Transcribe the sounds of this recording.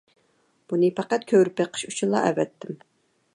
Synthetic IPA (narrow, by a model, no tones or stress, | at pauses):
b̥unɪpʰæqæt̪̚kʲʰøɾɪpeqʰə̥ʃut͡ʃʰunlˠːɑ̰ʔɛ̰vɛt̪ʰːɪm